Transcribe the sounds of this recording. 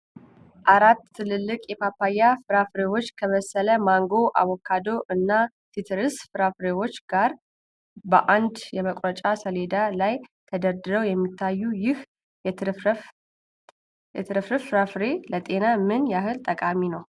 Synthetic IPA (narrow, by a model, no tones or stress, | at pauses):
ʔaɾat̪ʰːɨlɨlːɨkʼjɛpʰapːajːafɨɾafɨɾewo̞t͡ʃːkʰəβəsələmaŋɡo̞ʔa̰wɔkʰːad̪o̞ʔɨnːa | t̪ʰit̪ʰɨɾɨsfɨɾafɨɾewo̞t͡ʃːɡaɾ | bəʔand̪jɛməkʼɾət͡ʃʼasəle̞d̪alajt̪ʰəd̪əɾd̪ɨɾəwjɛmːit̪ʰːajːujɪh | jɛt̪ʰɨɾɨfɾɨfɨɾafɾelət̪ʼe̞namɨnjaɦɨlt̪ʼəkʼaminəw